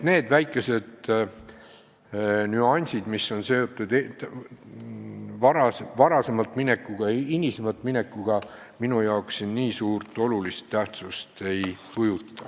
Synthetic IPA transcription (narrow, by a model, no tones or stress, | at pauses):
t̪ne̞ːd̪̥væjkːˑe̞se̞d̪̥ | nyɑnʲsʲid̪misːo̞nse̞o̞t̪ːˑud̪̥ | vɑɾɑsvɑɾɑse̞mɑlt̪ːˑmine̞kːˑuɡ̥ɑinʲisemɑt̪ːˑmine̞kːuɡ̥ɑ | minujɑo̞ksːinːiːsuːrt̪ːˑo̞lulist̪ːæht̪sust̪e̞jkujut̪ˑːɑ